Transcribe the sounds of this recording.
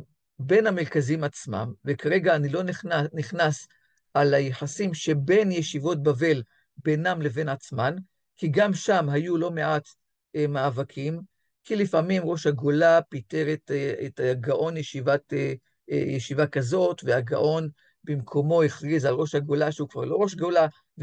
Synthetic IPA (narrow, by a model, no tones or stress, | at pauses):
be̞nhameʁkazimat͡sma̰mvekaʁe̞ɡaːnilo̞niχnas | alajeħasimʃebe̞njeʃivo̞t̪̚bave̞l | be̞namle̞ve̞nat͡sman | kiɡamʃamɦajulo̞meʔat̪ | emaːvakʰim | kilifamimʁo̞ʃhaɡolapite̞ʁetetaɡaʔo̞njeʃivat | jeʃivakazo̞tveaɡa̰ʔo̞n | bimkʰo̞mo̞iχʁizalʁo̞ʃhaɡo̞laʃeukvaʁlo̞ʁo̞ʃɡo̞la | v